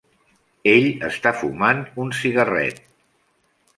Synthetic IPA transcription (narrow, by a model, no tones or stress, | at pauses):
eʎəst̪afumanunsiɣərɛ̰t̪̚